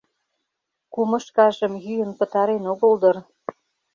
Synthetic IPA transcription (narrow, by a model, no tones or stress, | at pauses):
kumɤ̆ʃkɑʒə̆mjyjə̆npə̆t̪ɑɾenoɣə̆ld̪ɤ̆r